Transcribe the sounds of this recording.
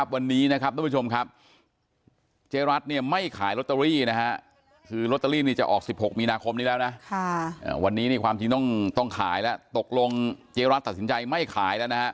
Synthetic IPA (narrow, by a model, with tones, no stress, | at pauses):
p̚wa˧nːiː˦˥na˦˥kʰa˦˥p̚ɾa˦˥˩t͡ɕʰo˧mkʰa˦˥p̚ | t͡ɕeː˧ɾa˦˥t̪̚ni˥˩ɐma˥˩jkʰaː˩˦jlo˦˥t̪ːa˧ɾiː˥˩na˦˥kʰa˦˥ | kʰɯː˧ɾo˦˥t̪ːa˧ɾiː˥˩niː˥˩t͡ɕa˨˩ʔɔ̰ː˨˩k̚si˨˩p̚ho˨˩k̚miː˧naː˧kʰo˧mniː˦˥lɛː˦˥wna˦˥ʔkʰa˥˩ʔa̰ː˨˩wa˧nːiː˦˥ni˧˥˩kʰwaː˧mt͡ɕi˧ŋt̪ɔ˥˩ŋt̪ɔ˥˩ŋkʰa̰ː˩˦jlɛ˦˥t̪o˨˩k̚lo˧ŋt͡ɕeː˧ɾa˦˥t̪ːa˨˩t̪snt͡ɕa˧jma˥˩jkʰaː˩˦jlɛ˦˥˩wna˦˥hʰa˦˥ʔ